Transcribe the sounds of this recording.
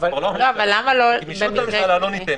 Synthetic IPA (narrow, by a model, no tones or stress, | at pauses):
valoavalːamalobemikʁeoi